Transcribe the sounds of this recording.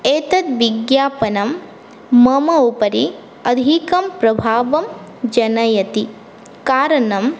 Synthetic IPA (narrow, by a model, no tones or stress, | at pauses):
eːt̪ɐt̪̚ʋiɡjaːpɐnɐmː | ɐmɐupɐɾi | ɐd̪ʱikɐmpɾɐbʱaːʋɐm | d͡ʒɐnɐjɐt̪i | kaːɾɐɳɐm